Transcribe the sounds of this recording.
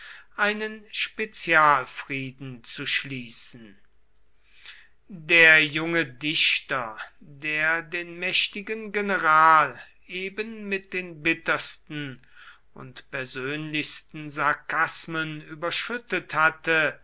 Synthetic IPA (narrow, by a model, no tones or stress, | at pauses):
ʔaɪnənʃpet͡sjaːlfʁiːdn̩t͡suʃliːsn̩ | deːɐjʊŋədɪɕtɐdeːɐdeːnmɛʃtɪɡənɡenəʁaːl | ʔeːbənmɪt̚d̥eːnbɪtɐstn̩ | ʊ̰ntpɛɐzøːnlɪçstn̩zaɐkasmənyːbɐʃʏtəthatə